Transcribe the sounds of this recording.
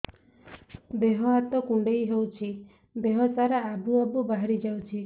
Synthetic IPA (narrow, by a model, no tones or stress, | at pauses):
beɦɔat̪ɔkũɳɖejɦewt͡ʃʰi | beɦɔt͡ʃaɾaabuabubaɦaɾid͡ʒawt͡ʃʰi